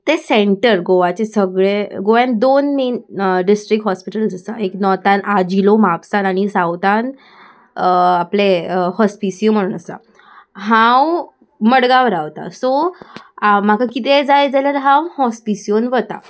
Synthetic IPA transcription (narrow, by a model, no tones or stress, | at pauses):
t̪eseɳʈəɾɡoʋat͡ɕesəɡɭeɡoʋamd̪onmenɖisʈɾikɦɔspiʈəlsəsa̰eknɔt̪anad͡ʑilomapsanaɽ̃isawt̪an | aplehɔspisijom̤əɽ̃uːnəsa̰ | ɦãw | məɽɡaʋəɾaʋt̪a̰sɔ | am̤akʰakit̪ed͡zajd͡zalaɾɦãwhɔspisijonʋət̪a̰